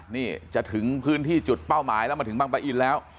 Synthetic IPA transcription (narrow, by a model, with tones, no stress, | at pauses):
niː˥˩t͡ɕa˨˩ʔt̪ʰɯ˩˦ŋpʰɯː˦˥nt̪ʰiː˥˩t͡ɕu˨˩t̪̚pa˥˩wmaː˩˦jlɛ˦˥ma˧nt̪ʰɯ˩˦ma˧ŋpa˧jʔiː˨˩t̪̚lɛː˦˥w